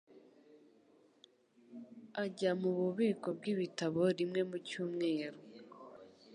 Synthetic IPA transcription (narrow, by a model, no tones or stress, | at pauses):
aɟamuβuβiːko̞b̚ɡiβitaβo̞ɾimŋe̞mucuːmŋe̞ːɾo